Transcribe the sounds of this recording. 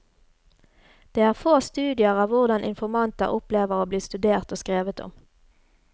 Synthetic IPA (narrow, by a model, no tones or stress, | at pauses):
d̪̥eːæːʁfoːst̪ʉːd̪ɪəʁɑːʋʋʊʁd̪ɑnʔɪ̰nfɔʁmɑnt̪ə̰ʁʔʊpleːʋəʁoːbliːst̪ʉd̪eːʁt̪oːskʁeːʋət̪ɔ̰m